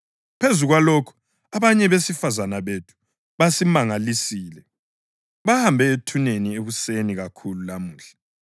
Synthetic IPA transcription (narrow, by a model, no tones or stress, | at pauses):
pʰezuɣwalokʰu̥ | aβaɲɛβesifazanaβetʰu̥ | βasimaŋalisiːlɛ | βahambʱɛetʰunenieβuseniɣakʰululamuːɬḁ